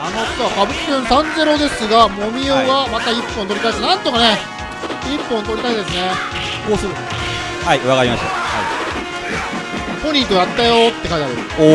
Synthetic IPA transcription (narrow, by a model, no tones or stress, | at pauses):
ano̞t̪kβakabɯ̟kkʲẽɰsãnze̞ɾo̞d̪e̞sɨɡamo̞mʲioɡamat̪aipːõnt̪o̞ɾikai̥t̪anãnt̪o̞kane | ipːõnt̪o̞ɾʲit̪aid̪e̞sɨne | ɡoːsɨɾɯ | haiβakaɾimaɕt̪aha̰i | poɲʲĩːt̪o̞jat̪ːajo̞t̪ːe̞kait̪aɾɯ̰